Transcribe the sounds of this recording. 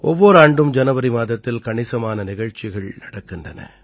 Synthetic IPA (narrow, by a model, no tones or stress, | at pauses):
ɔʋːɔɾaːɳɖɯmd͡ʒɐnɐʋɐɾimaːðɐt̪ːɪlkɐɳɪsɐmaːnɐnɪɣɐɻt͡ʃːɪɣɐɭnɐɽɐkːɪndrɐnɐ̰